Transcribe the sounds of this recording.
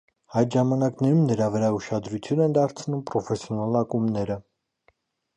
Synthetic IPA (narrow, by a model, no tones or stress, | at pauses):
hɑjd̪ʒɑmɑnɑknɛɾumnəɾɑvəɾɑuʃɑd̪ɾut͡sʰjunɛnd̪ɑɾt͡sʰnumpɾɔfɛsjɔnɑlɑkumnɛɾə